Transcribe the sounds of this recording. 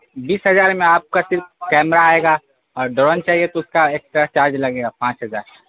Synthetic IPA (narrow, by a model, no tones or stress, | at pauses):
biːsɦɐzaːɾmẽaːp̚kasɪɾf̚kɛːmɾaːeːɡaː | ɔːɾɖəɾɔnt͡ʃaːɦiet̪oʊskaeːk̚st̪ɾət͡ʃaːɾd͡ʒlɐɡeːɡaːpãːt͡ʃɦɐzaːɾ